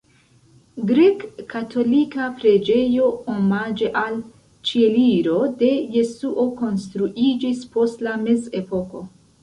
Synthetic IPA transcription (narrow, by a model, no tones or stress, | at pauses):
ɡɾekʰːatʰo̞likapɾe̞d͡ʒe̞jo̞omad͡ʒe̞ʔal | t͡ʃieliɾo̞de̞je̞suʔo̞ko̞nstɾuʔid͡ʒispo̞stlameze̞po̞ko̞